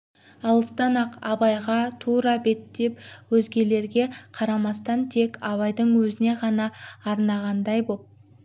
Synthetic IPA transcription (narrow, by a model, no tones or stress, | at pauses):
ɑlˠəst̪ɑnɑqɑbɑjʁɑt̪ʰuɾɑbe̞t̪ːe̞pwɵzɡʲe̞le̞ɾɡʲe̞qʰɑɾɑmɑst̪ɑnt̪ʰe̞kʲɑβɑjd̪əɴwɵzɪne̞ʁɑnɑːɾnɑʁɑnd̪ɑjbo̞p̚